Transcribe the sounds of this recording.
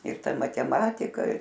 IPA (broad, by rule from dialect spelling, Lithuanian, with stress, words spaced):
ɪr ˈtɐ mɐtʲɛˈmɑːtʲɪkɐ